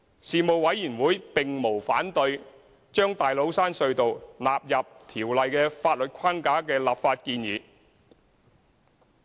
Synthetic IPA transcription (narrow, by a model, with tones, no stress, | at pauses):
siː˨mo˨wwɐ˨˥jjiː˨˩nwuː˨˥jpɪ˨ŋmo˨˩wfaː˨˥nt̪ɵ˧ɥ | t͡ʃœː˥ŋt̪aː˨jlo˨˥wsaː˥nsɵ˧ɥt̪o˨wlaː˨p̚jɐ˨p̚t̪ʰiː˨˩wlɐ˨jkɛː˧faː˧t̚lɵ˨t̚kʷʰaː˥nkaː˨˥kɛː˧laː˨pfaː˧t̚kiː˧njiː˨